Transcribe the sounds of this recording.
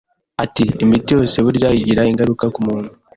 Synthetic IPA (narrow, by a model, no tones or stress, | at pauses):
atiːmitijo̞ːse̞βuɾɟajiɟiɾaiŋɡaɾukakumuːnu